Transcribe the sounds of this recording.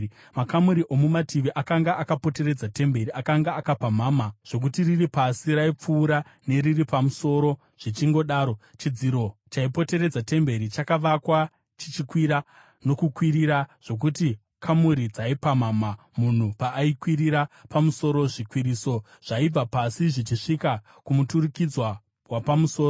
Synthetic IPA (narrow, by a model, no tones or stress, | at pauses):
makamuɾiʔo̞mumatʰiʋiʔakaŋɡaʔakapo̞te̞ɾe̞d͡zate̞mbe̞ɾiakaŋɡaːkapamaːmaʐ̥o̞k̬utiriripasiɾaip͡fuːɾane̞ɾiripamuso̞ɾo̞ | ʐ̥it͡ʃiŋɡo̞ɗaːɾo̞t͡ʃid͡ziɾo̞t͡ʃaipo̞te̞ɾe̞d͡zate̞mbe̞ɾit͡ʃakaʋakwa | t͡ʃit͡ʃikwiɾa | no̞kukwiɾiɾaʐ̥o̞k̬uti | kʰamuɾid͡zaipamaːma | mun̤upaʔːikwiɾiɾapamuso̞ɾo̞ʐikwiɾiso̞ | ʐ̥aib͡vapasiʐit͡ʃiʂika | kumuturikid͡zwa | wapamuso̞ːroo